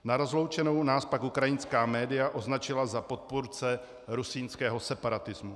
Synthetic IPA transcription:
naɾozlo̞wt͡ʃɛno̞wnaːspakukɾajɪnskaːmɛːdɪjaʔo̞znat͡ʃɪlazapo̞t̪̚puɾt͡sɛ | ɾusiːnskɛːɦo̞sɛpaɾat̪ɪzmu

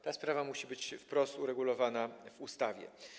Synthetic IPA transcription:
t̪aspɾavamuɕibɘt͡ɕfpɾɔst̪uɾɛɡulɔvanavust̪avʲjɛ̰

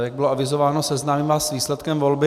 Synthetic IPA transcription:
jaɡ̚bɪloavɪzovaːnosɛznaːmiːmvaːsviːslɛt̪kɛmvolbɪ

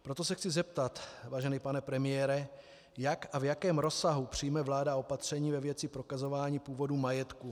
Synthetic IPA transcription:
pɾo̞t̪o̞sɛxt͡sɪzɛp̚t̪at̪vaːʒɛnɪpanɛpɾɛmɪjɛːɾɛ | jakavjakɛːmɾo̞saɦupr̝̥ijmɛvlaːdao̞pat̪r̝̥ɛɲiːvɛvjɛt͡sɪpɾo̞kazo̞vaːɲiːpuːvo̞dumajɛt̪ku

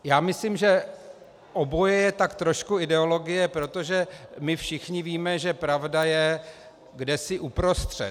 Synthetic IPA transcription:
jaːmɪslimʒɛ | ʔobo̞jɛjɛt̪akt̪ɾoʃkuɪdɛo̞lo̞ɡɪjɛpɾo̞t̪o̞ʒɛmɪfʃɪxɲɪviːmɛʒɛpɾavdajɛ | ɡdɛsɪʔupɾo̞st̪r̝̥ɛ̰t̪

